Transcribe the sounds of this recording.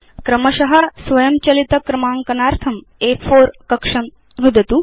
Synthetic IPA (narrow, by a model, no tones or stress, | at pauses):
kɾɐmɐʃɐɦɐsʋɐjɐmt͡ʃɐlit̪ɐkɾɐmaːŋkɐnaːɾt̪ʰɐm | eːfʰoːɾkɐkʂɐm | ʋud̪ʱɐt̪u